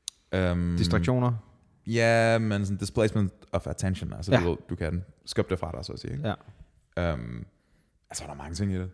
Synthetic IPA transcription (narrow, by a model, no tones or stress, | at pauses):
ømd̥isd̥ɑɡɕo̝̰ːnɐ | jæmẽnsɒnd̥ispʰleːsmə̃nd̥ɒfæt͡sʰenɕə̃næ̰lsəʋðˠd̥ukʰæd̥nsɡ̥øb̥d̥efʁɑ̈ɾasɒ̰ːsḭːeɡ̥ | øm | ælsɒɑdɾɑ̈mɑ̈ŋət͡sʰe̝ŋid̥e